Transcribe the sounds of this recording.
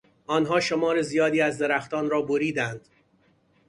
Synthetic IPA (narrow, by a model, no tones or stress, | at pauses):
ɒːnɦɒːʃomɒːɾezijɒːd̪iːæzd̪eɾæxt̪ɒːnɾɒːboɾiːd̪ænd̪̥